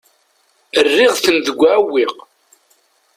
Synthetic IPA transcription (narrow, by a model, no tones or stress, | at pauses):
ərːɪʁθənðəɡʷːaæwːiq